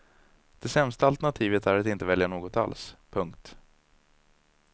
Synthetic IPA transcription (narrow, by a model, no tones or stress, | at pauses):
d̪̥ɛsɛmst̪aalt̪ɛɳat̪ʰiːvət̪æɾat̪ɪnt̪əvɛljaɳoːɡɔt̪a̰lspʰɵŋk̚t̪